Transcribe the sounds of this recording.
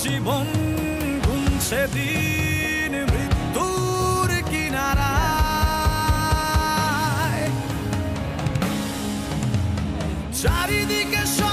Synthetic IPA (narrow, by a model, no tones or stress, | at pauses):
d͡ʒibɔn | ɡunsed̪i | nmɾitt̪ːu | ɾkinaɾa | j | d͡ʒaɾid̪ikeʃɔ